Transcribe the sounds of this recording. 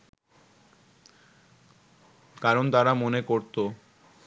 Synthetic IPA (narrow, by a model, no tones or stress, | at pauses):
kaɾont̪aɾamonekoɾt̪o